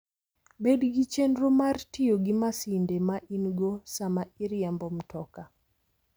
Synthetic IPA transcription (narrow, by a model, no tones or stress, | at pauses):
bedɡit͡ʃendɾomartɪjoɡimasindemaʔinɡosamaiɾjambɔmtɔka